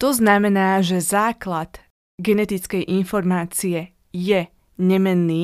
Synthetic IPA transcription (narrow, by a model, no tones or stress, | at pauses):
t̪ɔznamɛnaːʒɛzaːklad̪ | ɡɛnɛt̪it͡skɛjʔinfɔɾmaːt͡siɛ | jɛ | ɲɛmɛnːiː